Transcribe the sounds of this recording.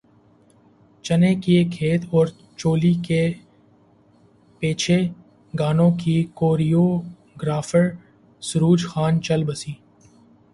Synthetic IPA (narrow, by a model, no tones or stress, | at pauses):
t͡ʃɐnekiekʰeːt̪ʰɔːɾ | t͡ʃoːlike | peːt͡ʃʰe | ɡaːnõkikoːɾijoː | ɡɾaːfəɾ | sʊɾuːd͡ʒxaːnt͡ʃɐlbɐsiː